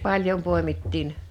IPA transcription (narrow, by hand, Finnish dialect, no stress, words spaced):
pɑlʲjom poˑemitːiːn